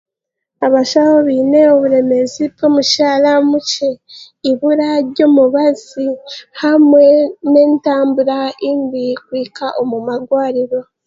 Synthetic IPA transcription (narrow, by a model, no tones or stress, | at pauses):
aβaʃahoβiːne̞oβuɾe̞me̞zibomuʃaːlamuce̞ | iβuɾaɾɟo̞ːmuβazihamwe̞ne̞ːntaːmbuɾainbikwiːkaʔomumaɡwaːɾiɾo̞